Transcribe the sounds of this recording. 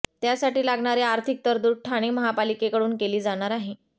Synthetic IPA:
t̪jasaʈiːlaɡɳ̃aɾeaɾt̪ʰik̚t̪əɾd̪uːʈʰaɽ̃eməɦapalikekəɽuːnkeliːd͡zaɽ̃aɾaɦe

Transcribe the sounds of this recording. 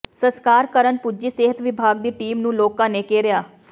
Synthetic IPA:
səskaːɾkəɾənpud͡ʒiːseːɦət̪ʋɪbʱaːɡ̚d̪iːʈiːmnũːloːkãːneːkeːɾɪjaː

